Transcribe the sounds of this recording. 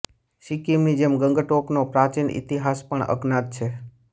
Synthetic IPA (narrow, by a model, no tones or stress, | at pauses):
ʃikimnid͡ʒemɡəŋɡəʈoknopɾat͡ʃinʔḭt̪iɦaspəɳə̰ɡnat̪̚t͡ʃʰe